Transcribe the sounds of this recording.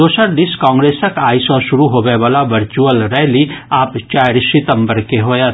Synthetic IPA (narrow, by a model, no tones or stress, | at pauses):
d̪oːsəɾd̪ɪskãːŋɡɾeːsəkaːisɔ̃ʃʊɾuɦoːʋeʋaːlaʋəɾt͡ʃuəlɾɛɦliaːpt͡ʃaːɾsɪt̪ə̃mbəɾkeɦoːja